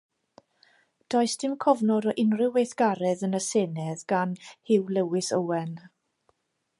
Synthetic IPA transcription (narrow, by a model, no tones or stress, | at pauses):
d̥ɔɨsd̥ɪmkʰɔvnɔɾɔʔɪnrɪwejθɡ̥aɾɛðənəseːnɛðɡ̥anhɪwlɛwɪsəwɛn